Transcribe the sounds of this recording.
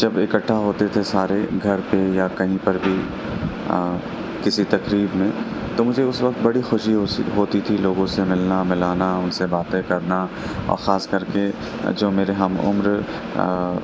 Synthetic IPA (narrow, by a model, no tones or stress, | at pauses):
d͡ʒɐbɪkəʈʰːaɦoːt̪et̪ʰesaːɾeɡʱɐɾpejakɐɦĩpɐɾbʱi | kɪsit̪ɐkɾiːbmẽ | t̪omʊd͡ʒʱeʊsʋɐk̚t̪bɐɽixʊʃiɦɦoːt̪it̪ʰiloːɡõsemɪlnamɪlaːnaʊnsebaːt̪ẽkɐɾna | ɔ̰ːɾxaːskɐɾke | d͡ʒoːmeːɾeɦɐmʊ̰mɾ